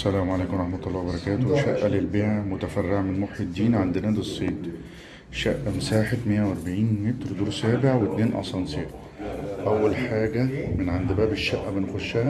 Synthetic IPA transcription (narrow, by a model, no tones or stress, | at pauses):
sælæːmʕalæːkomɾˤɑħmæt̪ˤɑlːɑːwbɑɾˤɑkæːt̪owʃæʔːælɪlbeːʕamʊt̪æfærːɪʕmɪnmoħid̪ːiːnʕand̪ɪnæːd̪esˤːeːt̪ | ʃæʔːmsaːħet̪mɪjːæwæɾbaʕiːnmɪt̪ɾd̪uːɾsæːbɪʕwet̪neːnʔɑ̰sˤɑnseːɾ | ʔæwːælħaːɡæmɪnʕand̪bæːbɪʃːæʔːæbɪnxʊʃːæ